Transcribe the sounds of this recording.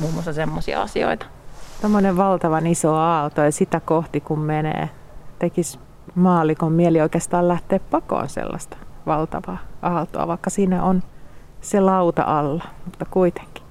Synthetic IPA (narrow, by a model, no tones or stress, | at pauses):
muːmːoɑlsɑsemːosiɑ̰ɑ̰sio̰it̪ɑ̥ | t̪omːoneʋʋɑlt̪ɑʋɑnisoɑːlt̪ojɑsit̪ækoht̪ikummenḛː | t̪ekis | mɑːlˑikommielioikeːst̪ɑːllæht̪eːppɑko̰ːnsḛlːɑ̰st̪ɑ̥ʋɑlt̪ɑ̰ʋɑːʔɑːlt̪o̰ɑ̰ʋɑikːɑsiːnæʔon | selɑut̪ɑ̰ʔɑlːɑmut̪ːɑkuit̪e̥ŋki̥